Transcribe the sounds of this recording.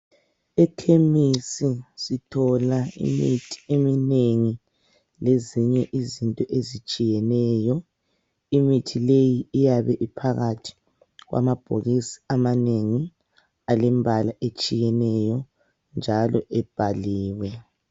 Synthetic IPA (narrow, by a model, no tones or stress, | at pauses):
ɛkʰemisisitʰɔlaḭmitʰi̥emineŋi | leziɲɛʔizintʼɔʔezit͡ʃʼijɛnɛːjɔ | imitʰilejiːjaβɛʔipʰaɣatʰi̥ | ɣwa̰mab̥ʱoɣisi̥amaneŋi | alɛmbʱalaʔet͡ʃʼijɛnɛjɔ | nd͡ʒʱalɔʔɛb̥ʱaliːwɛ